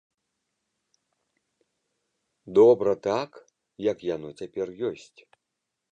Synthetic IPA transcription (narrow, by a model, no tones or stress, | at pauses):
d̪ɔbɾɐt̪ak | jɐkjanɔt͡sʲapʲɛrjɔsʲt͡sʲ